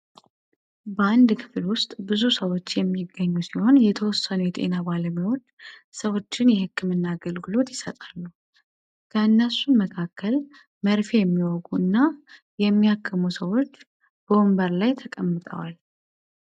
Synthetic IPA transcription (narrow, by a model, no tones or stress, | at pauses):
bəand̪kʰɨ̥flwʊst̪ʼbɨzusəwo̞t͡ʃːjɛmːɪɡːəɲːusiho̞njɛt̪ʰəwɔsːənujɛt̪ʼe̞̰nabaləmewo̞t͡ʃːsəwo̞t͡ʃːɪnjɛhɨkːɨmɨnːaːɡəlɡɨlo̞t̪jɪsət̪ʼalːu | kʰəɨnːəsuməkʰakʰːəl | məɾfejɛmːiwɔɡuɨnːa | jɛmːiakʰːəmusəwo̞t͡ʃː | b̥əwombəɾlajt̪ʰəkʼəmːɨt̪ʼə̰wal